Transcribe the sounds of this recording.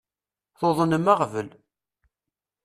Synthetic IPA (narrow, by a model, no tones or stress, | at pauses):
θoðˤənəmaʁvəl